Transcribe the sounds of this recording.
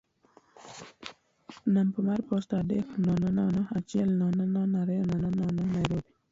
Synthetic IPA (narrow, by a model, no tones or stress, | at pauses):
nampəmaɾpost̪adexnɔnɔnɔnɔat͡ʃielnɔnɔnɔnaɾɛɔnɔnɔnɔnɔnajɾobi